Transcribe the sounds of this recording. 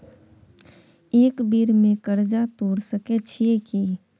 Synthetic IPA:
eːkbiɾmẽkəɾd͡ʒat̪oːɽsəket͡ʃʰieki

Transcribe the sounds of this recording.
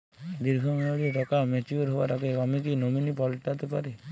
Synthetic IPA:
d̪iɾɡʱɔmeoɽieʈɔkamet͡ʃuoɾɦoaɾakeamik̬inominipɔlʈat̪epaɾe

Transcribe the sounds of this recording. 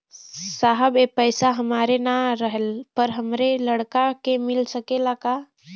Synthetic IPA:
saːɦəbepəɪsaɦəmaːɾenaɾəɦəlpəɾɦəmɾeləɽkakemɪlsəkelaka

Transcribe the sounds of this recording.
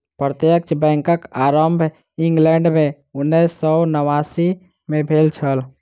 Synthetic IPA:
pɾət̪jək̚t͡ʃbɛ̃ŋkəkaɾəmbʱ | iŋɡlɛɳɖme | unːɛsɔnəʋasi | mebʱelt͡ʃʰəl

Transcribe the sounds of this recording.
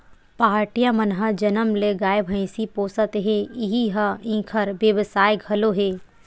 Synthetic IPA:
paːɾʈijamɐnɦəd͡ʒɐnəmleɡaːjbʱə̃ɪ̃sipoːsət̪ɦeɪɦiɦɐĩːkʰəɾbjəʋəsaːjɡʱɐloɦeː

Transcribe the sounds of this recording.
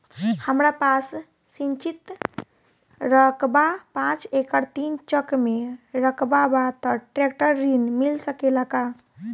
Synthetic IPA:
həmɾapas | sint͡ʃit̪ | ɾəkbapãt͡ʃekəɾt̪int͡ʃəkmeɾəkbabat̪əʈɾek̚ʈəɾːinmilsəkelaka

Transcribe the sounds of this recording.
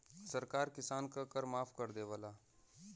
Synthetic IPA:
səɾkaːɾkɪsaːnkakəɾmaːpʰkəɾd̪eʋəlaː

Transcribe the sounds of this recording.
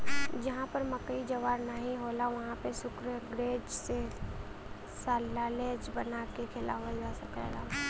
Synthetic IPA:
d͡ʒɐɦãpɐɾmɐkəid͡ʒɐʋaːɾnəɦĩɦoːlaʋɐɦãpesʊkɾəɡɾeːd͡ʒse | saːlːaleːd͡ʒbɐnakekʰɪla̰ʋəd͡ʒasɐkḛːɡaː

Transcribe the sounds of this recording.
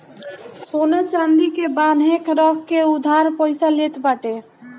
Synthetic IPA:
sonat͡ʃãnd̪ikebanɦekʰɾəkʰkeud̪ʱaɾpəɪsalet̪baʈe

